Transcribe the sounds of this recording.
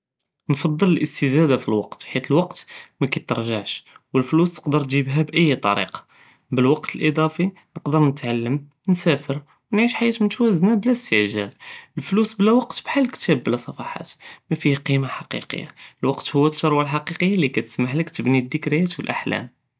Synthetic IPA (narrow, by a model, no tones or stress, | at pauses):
nfɑd̪ˤːələlʔəst̪əzæd̪afilwɑqt̪ħit̪əlwɑqt̪mækæt̪əɾˤʒaʕʃ | wəlflust̪ə̥qd̪əɾt̪ʒibɦæbʔəjːt̪ˤɑ̰ɾḭqɑ̥ | bəlwɑqt̪əlʔid̪ˤɑfi | nəqd̪əɾnət̪ʕalːəm | nsæfəɾ | wənʕiʃħajæt̪mənt̪wæznæblæst̪əʕʒæləlflusblæwɑqt̪bħalːkt̪æbːlæsˤɑfɑħa̰t̪mæfihqimaħɑqḭqə̰jːa̰əlwɑqt̪hʊwːæt̪ːɑɾˤwalħɑqiqəjːalikæt̪ə̥smaħləkt̪əbnid̪ːəkɾijæt̪wəlʔa̰ħlæ̰m